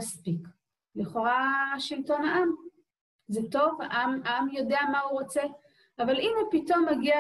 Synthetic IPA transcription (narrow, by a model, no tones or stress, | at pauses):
aspik | liχo̞ʁaʃilto̞naʔam | zeto̞vaʔamamjo̞de̞amauʁo̞t͡se̞ | avalimhupito̞mːeɡia